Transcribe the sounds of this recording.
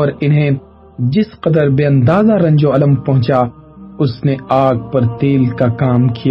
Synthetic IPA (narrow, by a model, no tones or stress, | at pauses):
ɔːɾɪnɦẽ | d͡ʒɪsqɐd̪əɾbeːɐ̃nd̪aːzaɾɐ̃ɲd͡ʒoɐlə̃mpɐɦʊ̃t͡ʃa | ʊsneaːɡ̚pɐɾt̪eːlkakaːmkija